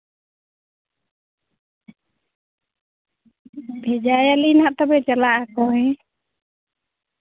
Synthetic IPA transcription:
bʱɛd͡ʒajalinaʔt̪ɔbɛt͡ʃalaʔakɔɦɛ̃

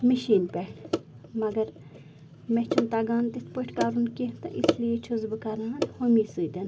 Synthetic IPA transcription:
miʃiːnpɛʈ | mɐɡɐɾ | met͡ʃʰunt̪aɡaːnt̪ist̪pəʈʰkaːɾunkit̪ɐ̰ʔislijet͡ʃʰuzbɨkɐɾãːt̪homiːsɨːd̪en

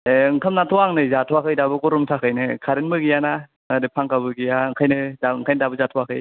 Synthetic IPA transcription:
eɯŋkʰamnatʰɔaŋnɯzatʰwakʰɯjdabɯkɔɾumtʰakʰɯjnɯkʰaɾenmɯɡijana | adɯpʰaŋkabɯɡijaŋkʰajnɯdaŋkʰajnɯdabɯzatʰɔakʰɯj

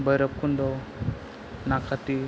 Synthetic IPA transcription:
bəɾəp̚kundɔ | nakʰat̪i

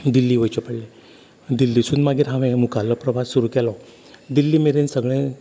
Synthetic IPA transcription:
d̪ilːiːʋəjt͡ɕɔpəɽle | d̪ilːisuːnmaɡiːɾɦãʋẽmukalːɔpɾəʋasːuɾukɛlɔ | d̪ilːiːmeɾensəɡɭẽ

